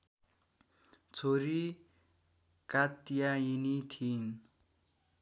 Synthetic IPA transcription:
t͡sʰoɾi | kat̪jajinit̪ʰin

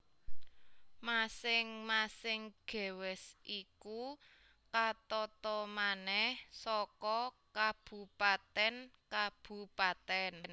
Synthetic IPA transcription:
masɪŋmasɪŋɡ̥ɛ̤wɛsʔiku | kat̪ɔt̪ɔmanɛhsɔkɔ | kab̥ṳpat̪ɛnkab̥ṳpat̪ɛnn

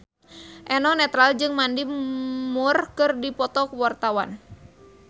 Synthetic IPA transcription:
ʔɛnɔnɛt̪ɾald͡ʒɨŋmandimurkɨrdipɔt̪ɔkwart̪awa̰n

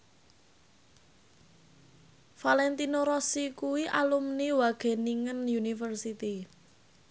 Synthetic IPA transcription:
falɛnt̪inoɾɔsikuwiʔalumniwaɡ̥e̤niŋənjunifərsit̪i

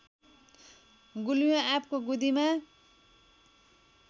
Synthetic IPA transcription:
ɡuljõapkoɡud̪ima

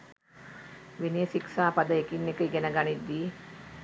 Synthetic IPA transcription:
ʋenijəsiksaːpad̪əekinːekəiɡɛnəɡanid̪ːiː

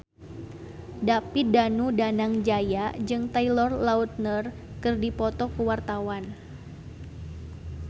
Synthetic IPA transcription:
dapidanudanaŋd͡ʒajad͡ʒɨŋt̪ailɔrlaut̪̚nər | kɨrdipɔt̪ɔkəwart̪awan

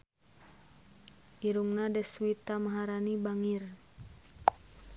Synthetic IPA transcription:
ʔiɾuŋnadɛswit̪amaɦaɾanibaŋir

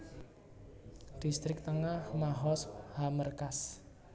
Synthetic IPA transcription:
d̥ist̪ɾɪk̚t̪əŋahmaɦɔshamərkas

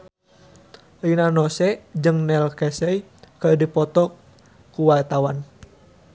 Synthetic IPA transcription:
linanɔsɛd͡ʒɨŋnɛlkɛsɛikərdipɔt̪ɔk | kuwart̪awan

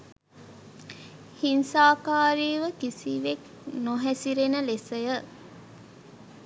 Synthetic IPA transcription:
hinsaːkaːɾiːʋəkisiʋek | noɦæsiɾenəlesəjə

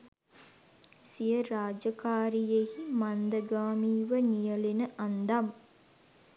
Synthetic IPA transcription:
sijəɾaːd͡ʒəkaːɾijehimand̪əɡaːmiːʋənijəlenəʔand̪am

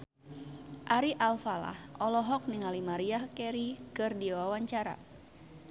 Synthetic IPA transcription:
ʔaɾiʔalfala̰hʔɔlɔɦɔk̚niŋalimaɾiahkɛɾikɨrdiwawaɲt͡ʃaɾa̰

